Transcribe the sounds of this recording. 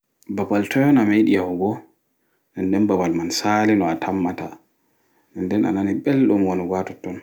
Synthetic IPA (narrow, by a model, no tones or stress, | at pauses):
babaltʰɔjɔnamejɗijawɡɔ | nɛndɛnbabalmansalinɔatʰamːata | ɛndɛna̰naniɓɛlɗumwɔniɡatɔtːɔn